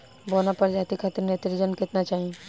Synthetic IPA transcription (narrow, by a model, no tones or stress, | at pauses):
boːnapɐɾd͡ʒaːt̪ikʰaːt̪ɪɾnet̪ɪɾd͡ʒənkɪt̪nat͡ʃaːɦie